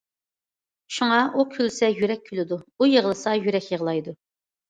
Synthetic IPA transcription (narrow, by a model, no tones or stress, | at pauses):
ʃuŋɑukʲʰylsɛjyɾɛk̚ʲʰːylɪd̪uujəʁlˠɨsɑjyɾɛkʲjəʁlˠɑjd̪u